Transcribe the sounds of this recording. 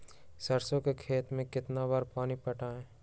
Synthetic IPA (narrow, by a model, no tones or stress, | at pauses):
səɾsõkekʰeːt̪mẽkɪt̪nabaːɾpaːnipɐʈaẽː